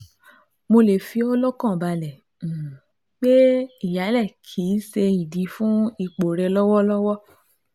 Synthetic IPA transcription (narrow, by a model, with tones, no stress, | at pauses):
mo˧le˨fi˧ɔ˧lɔ˦kã˦˨ba˧lɛ˨ | k͡pe˦i˦˨ja˨˦lɛ˦˨kʰi˨˦se˧i˨dĩ˨˦fũ˦i˦˧˨k͡po˨ɾɛ˧lɔ˦wɔ˦lɔ˦wɔ˦